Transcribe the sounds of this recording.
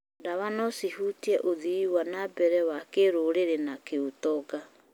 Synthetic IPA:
ndaβanɔsihutiɛʔoðiiwanabɛɾɛwakeɾoɾeɾenakeutɔɡa

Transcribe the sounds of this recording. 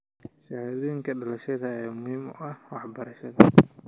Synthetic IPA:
ʃɑhðujɪŋkʰɐɖɐlɐʃɐðɐːmʊhiːmɔʔɐhwɑħbɐɾɐʃɐðɐ

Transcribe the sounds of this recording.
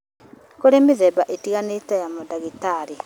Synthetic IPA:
koɾemiðeβaʔetiɣanetajamodaɣitaɾi

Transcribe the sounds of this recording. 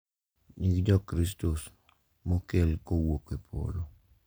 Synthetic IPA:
ɲikd͡ʒɔkɾis̬tos | mokelkowokepʰo̰lo

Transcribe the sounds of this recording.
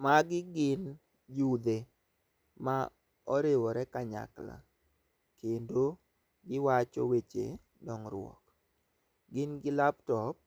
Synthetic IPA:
maɡɪɡɪn | d͡ʒud̪e | ma | ɔɾewɔɾɛkaɲa̰kla̰ | kendo | ɡɪwat͡ʃɔ̰wet͡ʃḛ | dɔŋɾʊ̰wɔ̰k | ɡɪnɡɪlaptɔp̚

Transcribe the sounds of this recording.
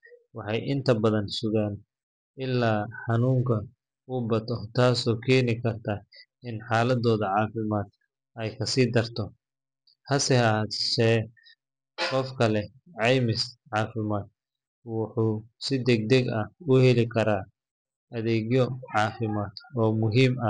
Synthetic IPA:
wɑħɑjʔɪnt̪ʰɐbɐðɐnsʊɣaːn | ɪlːaːħɑnuːŋkʰɐ | ʊbɐt̪ʰɔt̪ʰaːsɔːkʰɛːnɪkʰɐrt̪ʰa | ɪnħɑːlɐd̪ɔːðɐʕɑːfɪmaːd̪̚ | ɛjkʰɐsiːd̪ɐrt̪ʰɔ | hɐsɛhɐd̪ʃɛː | qɔfkʰɐlɛ | ʕɑjmɪsʕɑːfɪmaːd̪̚ | wɑħuːsɪd̪ɛɡ̚d̪ɛɡɐʊhɛlɪkʰɐɾaː | ɐðɛːɣjɔʕɑːfɪmaːd̪ɔːmʊɦiːmɐ

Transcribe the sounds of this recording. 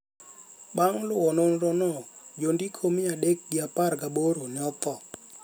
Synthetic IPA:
ɓaŋlʊɔnonɾonod͡ʒondikʰomɪadek̚ɡɪaparɡaboɾonɪɔt̪ɔ

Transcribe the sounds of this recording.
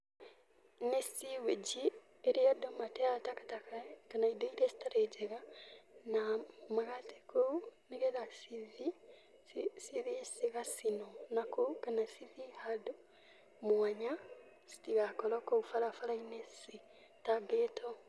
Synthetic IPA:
nesiwed͡ʒi | eɾijadomateatakḁtakakanaidoiɾesi̥taɾed͡ʒeɣanamaɣate̥kʰoneɣelasiði | siðisiɣasinonakokanasiðihadu | mwaɲa | si̥tiɣakolokoufalafalainesi | taɡeːtʰo

